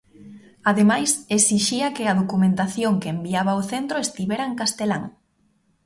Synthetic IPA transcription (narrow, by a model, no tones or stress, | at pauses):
aðemajsesiʃiɐkɪɐðokumẽnt̪aθjoŋkeembiaβɐoθent̪ɾoest̪iβɛɾɐeŋkast̪elaŋ